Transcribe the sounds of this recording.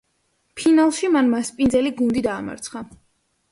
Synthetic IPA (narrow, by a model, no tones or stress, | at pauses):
pʰinalˠʃimanmaspʼind̪zɛliɡund̪id̪aːma̰ɾt̪sʰχa